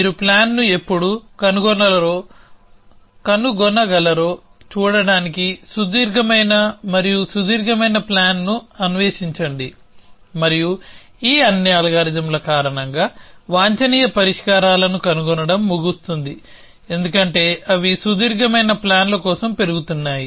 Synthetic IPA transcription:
iɾuplaːnːue̞pːuɽukɐnuɡɔnːɐlɐɾo̞ː | kɐnuɡɔnɐɡɐlɐɾo̞ː | t͡ʃuːɽɐɽaːnikisud̪iːɾɡʱɐmɐjnɐmɐɾijusud̪iːɾɡʱɐmɐjnɐplaːnnuɐnuʋeːʃiɲt͡ʃɐɳɖi | mɐɾiju | iːɐnːiaːlɐɡaːɾid̪ɐmlɐkaːɾɐɳɐŋɡaːʋaːɲt͡ʃɐniːjɐpɐɾiʂkaːɾaːlɐnukɐnuɡɔnɐɽɐmːuɡust̪und̪i | e̞nd̪ukɐɳʈe̞ːʔɐʋisud̪iːɾɡʱɐmɐjnɐplaːnlɐkɔːsɐmpe̞ɾuɡut̪unːaːji

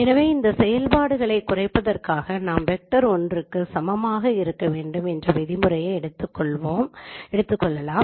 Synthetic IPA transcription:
ɛnɐʋeːɪnd̪ɐsɛjɐlpaːɽɯɣɐɭɐɪkːʊrɐɪpːɐðɐrkaːɣɐnaːmʋɛk̚ʈɐɾɔndrɯkːɯsɐmɐmaːɣɐɪɾɯkːɐʋeːɳɖɯmɛndrɐʋɛðɪmɯɾɐjɐɪɽɯt̪ːɯkːɔɭʋoːmɛɽɯt̪ːɯkːɔɭːɐlaːm

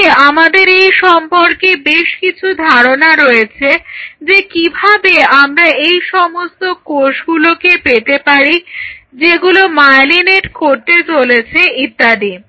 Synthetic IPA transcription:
amad̪eɾejʃɔmpoɾkebeʃkit͡ɕʰud̪ʱaɾonaɾojet͡ɕʰed͡ʑekibʱabeamɾaejʃɔmost̪okoʃɡulokepet̪epaɾid͡ʑeɡulomajlineʈkoɾt̪et͡ɕolet͡ɕʰeit̪ːad̪i

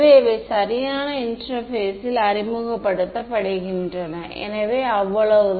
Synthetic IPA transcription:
ʋeːɪʋeːsɐɾɪjaːnɐɪnʈɐɾfeːsɪlɐɾɪmʊɣɐpːɐɽɯt̪ːɐpɐɽɐɣɪndrɐnɐ̃ʔɛ̰nɐʋeːɐʋːɐɭɐʋɯð

